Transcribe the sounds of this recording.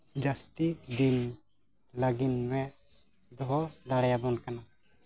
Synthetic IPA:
d͡ʒast̪id̪in | laɡinwɛ | d̪ɔɦɔd̪aɽajabɔnkana

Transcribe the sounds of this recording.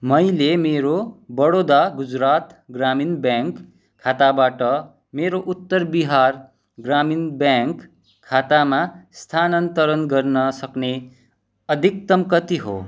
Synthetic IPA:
mʌjlemeɾobʌɽod̪aɡud͡zɾat̪ɡraminbjaŋkʰː | at̪abaʈʌ | meɾoʔut̪ːʌrbiɦar | ɡraminbjaŋkʰː | at̪amast̪ʰanʌnt̪ʌɾʌnɡʌrnʌsʌkne | ʌd̪ʱik̚t̪ʌmkʌt̪iɦo̰

